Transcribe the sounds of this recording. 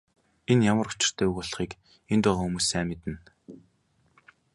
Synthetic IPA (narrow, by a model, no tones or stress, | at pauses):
enjamə̆ɾʊt͡ɕɪ̥̆r̥t̪ʰæːuɣʊɮ̆χiːk | ent̪ʊːʁɔːxumuːsːæːmet̪ɘ̆n